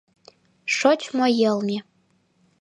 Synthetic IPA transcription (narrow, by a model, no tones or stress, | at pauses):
ʂot͡ʃʰmɔjɛlmi